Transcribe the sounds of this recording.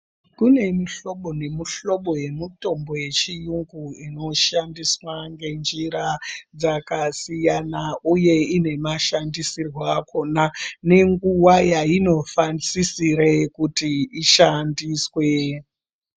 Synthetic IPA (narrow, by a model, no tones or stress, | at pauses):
kune̞miɬo̞ɓo̞ne̞muɬo̞ɓo̞je̞muto̞mboje̞t͡ʃijuŋɡuino̞ʃandiswaŋɡe̞nd͡ʒiɾad͡zakasijanauje̞ine̞maʃandisirwakʰo̞nane̞ŋɡuwajaino̞fansisirekutiiʃandiswe̞